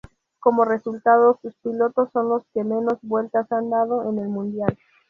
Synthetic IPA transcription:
ko̞mo̞re̞sult̪aðosuspilo̞t̪o̞sːo̞nlo̞ske̞me̞no̞zβwe̞lt̪asand̪að̞o̞ʔene̞lmũnd̪jal

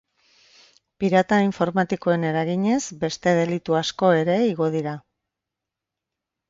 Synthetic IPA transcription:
piɾat̪aiɱfo̞ɾmat̪iko̞e̞ne̞ɾaɣiɲe̞zbe̞st̪e̞ð̞e̞lit̪uasko̞e̞ɾe̞iɣo̞ð̞iɾa

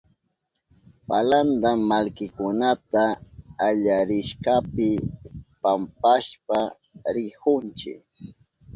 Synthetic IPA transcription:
paland̪aːalkɪkʊnat̪aːʎaɾɪʃkapɪpampaʃpa | ɾɪhʊnt͡ʃɪ̰k

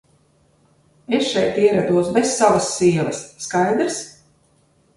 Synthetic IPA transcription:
esʃɛjt̪iɛɾad̪uɔsbesːavasːiɛlˠɐsːkajd̪ɾs

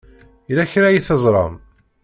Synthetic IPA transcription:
læçɾæjiθəzˤɾˤɑ̰m

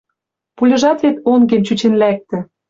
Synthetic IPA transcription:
pulʲɤ̆ʒɑt̪vet̪oŋɡemt͡ɕut͡ɕenlæk̚t̪ɘ̆

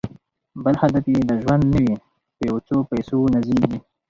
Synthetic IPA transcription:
bəlhad̪afjed̪əʒwand̪nawi | pəjawot͡sopajsonaziɡi

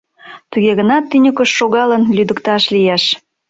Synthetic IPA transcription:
t̪uɣeɣənɑt̪ːynʲəkəʃːoɣɑlənlyd̪əkt̪ɑʃlijeʃ

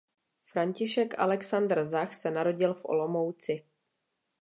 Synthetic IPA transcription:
fɾaɲcɪʃɛkʔa̰lɛksand̪rzaxsɛnaɾo̞ɟɪlfʔo̰lo̞mowt͡sɪ

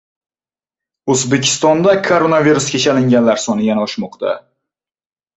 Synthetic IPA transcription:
ɵzbekʲʰɪ̥st̪ɒnd̪akʰoɾonaviɾuskʲet͡ʃʰalɪŋɡʲanlaɾsɒnɪjanaɒʃmɒqt̪ʰa̰

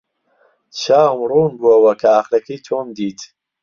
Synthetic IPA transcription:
t͡ʃʰaːmruːnbuɐwɐkʰɐaχlɐkʰit̪ʰoːmd̪iːt̪

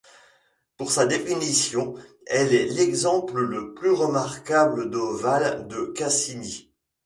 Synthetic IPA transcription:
puʁsad̪efinisjɔ̃ | ɛlɛlɛɡzɑ̃plələplyʁəmaʁkabləd̪ovald̪əkasini

